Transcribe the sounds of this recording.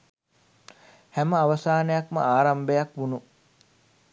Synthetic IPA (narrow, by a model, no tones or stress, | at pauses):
hæməɐʋɐsaːnejɐkmə̰aːɾɐmbejɐkʋunu